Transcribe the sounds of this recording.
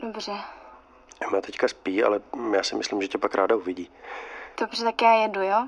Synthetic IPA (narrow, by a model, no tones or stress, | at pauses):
dobr̥ɛ | ɛmat̪ɛckaspiːa̰lɛjaːsɪmɪslimʒɛcɛpakɾʔaːdauvɪɟiːd̥obr̥ɛt̪akjaːjɛdujoː